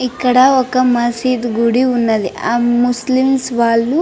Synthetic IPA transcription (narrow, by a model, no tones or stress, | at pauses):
ikːɐɽɐɔkːɐmɐsiːd̪ɡuɽiunːɐd̪iamuslimsʋaːlːu